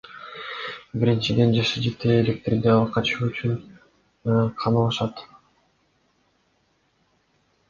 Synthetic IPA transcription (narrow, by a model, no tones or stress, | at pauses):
biɾint͡ʃid̪e̞nd͡ʒɑʃɯd͡ʒe̞t̪ʰeːlʲe̞k̚t̪ɾʲid̪eɑlˠqʰɑt͡ʃuːyt͡ʃyn | qʰɑmɑlˠɑʃɑt̪